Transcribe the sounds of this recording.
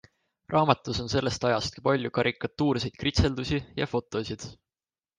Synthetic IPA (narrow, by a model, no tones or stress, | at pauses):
rʔɑːmɑt̪ːˑuso̞nse̞lːe̞st̪ɑjɑst̪ki̥pɑlʲjukɑɾʔikːˑɑt̪ːuːɾse̞jd̪̥̚krit̪se̞ld̪usʲijɑ̰fo̞t̪ːˑo̞sʲid̪̥